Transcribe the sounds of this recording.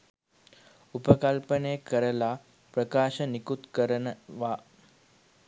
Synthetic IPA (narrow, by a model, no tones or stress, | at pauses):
upəkalpənekəɾəla | pɾəkaːʃənikut̪kəɾənəʋa